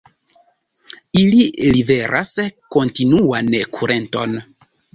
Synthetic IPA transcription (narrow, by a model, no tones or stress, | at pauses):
ililibeɾʔa̰sko̞ntinuankʰuɾʔe̞nto̞̰n